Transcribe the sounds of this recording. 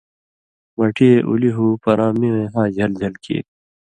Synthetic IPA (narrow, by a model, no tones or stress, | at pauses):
mɐʈʰieʔṵliɦuːpɐɾʔãːmiẽɦãːd͡ʑʱɐld͡ʑʱɐlkḛːt̪̚